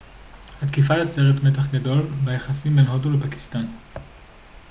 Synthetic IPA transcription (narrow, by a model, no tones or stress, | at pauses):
hat̪kifalat͡seʁetmet̬aχɡado̞lbejaχasimbenɦodulepaki̥st̪an